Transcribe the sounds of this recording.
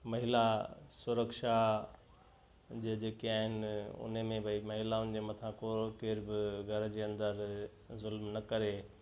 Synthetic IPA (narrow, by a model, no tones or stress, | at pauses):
mɐɦɪlasʊɾəkʃa | d͡ʑeːd͡ʑeːkeaːɦɪnɪɪʊ̰n̤emẽbʱɐimɐɦɪlaʊ̃nɪ̆d͡ʑemɐt̪ʰãkoɾkɪːɾbɪɡʱɐɾd͡ʑeːɐ̃nd̪əɾ | zʊlmnɐkɐɾe